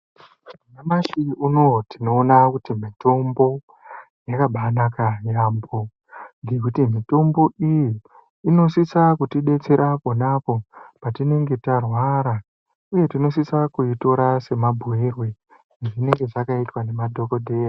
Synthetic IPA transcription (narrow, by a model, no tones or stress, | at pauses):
munamasiuno̞tino̞ːnakutimito̞mbo̞ | jakaɓanakajambo̞ | ŋɡe̞kutimito̞mbo̞ʔijiː | no̞sisakutiɗe̞t͡se̞ɾapo̞napo̞patine̞ŋɡe̞tarwaɾa | uje̞tino̞sisakuito̞ɾase̞mabʱuirwe | ʐine̞ŋɡe̞ʐakaitwane̞madʱo̞ko̞dʱe̞ːja